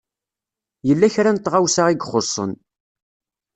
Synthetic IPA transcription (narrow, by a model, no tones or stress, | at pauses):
jəlːæçɾant̪ːʁawsaʁiɡχosˤːə̰n